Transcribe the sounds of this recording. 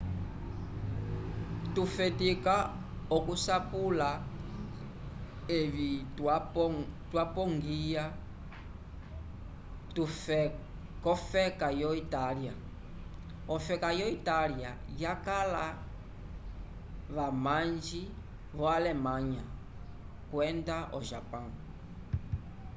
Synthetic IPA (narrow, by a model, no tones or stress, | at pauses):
tufɛtika | ɔkusapula | eβia | twapɔŋɡija | tu | kɔfɛkajɔitalia | ɔfɛkajɔitalja | jakala | βamaɲd͡ʒi | βɔalɛmaɲa | kwɛndaʔɔʒapaŋ